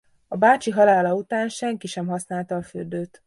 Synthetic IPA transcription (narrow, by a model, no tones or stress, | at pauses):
ɒbaːt͡ʃiɦɒlaːlɒut̪aːnʃɛŋkiʃɛmɦɒsnaːlt̪ɒːføld̪øːt̪